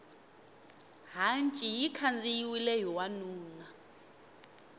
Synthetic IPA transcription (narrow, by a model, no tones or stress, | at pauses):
ɦant͡ʃʼijikʰand͡zʼijiwilɛjɔwanuːna